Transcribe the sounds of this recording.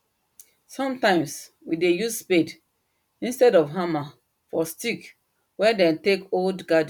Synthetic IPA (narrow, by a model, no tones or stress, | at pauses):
sɔ̃mtãɪ̃ms | widejussped | ĩnstɛdɔfɦama | fɔstik | wɛ̃dɛ̃ntekoldɡad̃